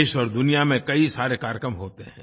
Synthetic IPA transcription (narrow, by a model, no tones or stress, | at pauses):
ʃɔːɾd̪ʊnijamẽkɐisaːɾekaːɾjəkɾəmɦoːt̪eɦɛ̰̃ː